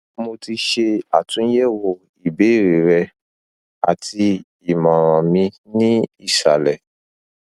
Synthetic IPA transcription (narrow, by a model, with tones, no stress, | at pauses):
mo˧ti˧ʃe˧a̰˨tũ˨˦n̩˦jɛ˦˨wo˧˨ | i˨be˨˦˨ɾe˨ɾɛ˧ | a̰˨ti˧ | i˨mã˨ɾ̃ã˨mĩ˧ | nĩ˦i˦˨ʃa˨lɛ˨